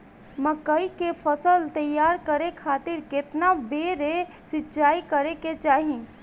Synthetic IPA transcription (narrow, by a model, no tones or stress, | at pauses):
məkəikefʰəsəlt̪əjːaːɾkəɾekʰaːt̪ɪɾkɪt̪nabeːɾe | sɪtːʃaːikəɾeket͡ʃaːɦĩː